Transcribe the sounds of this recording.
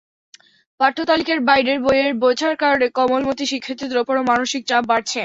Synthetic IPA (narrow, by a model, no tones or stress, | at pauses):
paʈt̪ʰːot̪alikeɾbajɖeɾbojeɾbod͡ʑʰʱaɾkaɾoɽekɔmolmot̪iʃikʰːit̪id̪ɾopoɾomanoʃik̚t͡ɕapbaɾt͡ɕʰe